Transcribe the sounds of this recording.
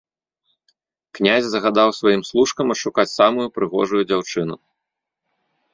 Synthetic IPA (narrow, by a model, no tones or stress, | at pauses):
knʲazʲzɐɣad̪awsvajimslˠuʂkɐmɐʂukat͡sʲsamujupɾɨɣɔ̰ʐujud͡zʲawt͡ʂɨnu